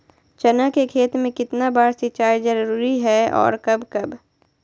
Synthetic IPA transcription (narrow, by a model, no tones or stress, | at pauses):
t͡ʃɐnakekʰeːt̪mẽkɪt̪nabaːɽsɪt͡ʃaːjzɐɾɾuːɾiɦɛːɔ̰ːɾkɐbkɐb